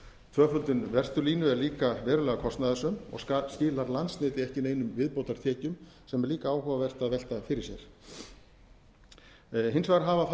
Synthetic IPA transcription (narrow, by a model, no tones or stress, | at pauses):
t̪ʰvœːfœlt̪ʏnvɛr̥t̪ʏɾliːnʏɛɾliːkavɛːɾʏlɛːɣakʰɔst̪naðasʏmɔ̰ɣscɪːlaɾlant̪snɪːt̪ɪɛhcɪneːjnʏmvɪðpowt̪aɾ̥t̪ʰɛːcʏm | sɛmɛɾliːkaaːwhɔvavɛr̥t̪aðvɛl̥t̪afɪɾɪɾ̥sjɛɾ̥ | ɦɪnsvaːɣɾɦaːvaθ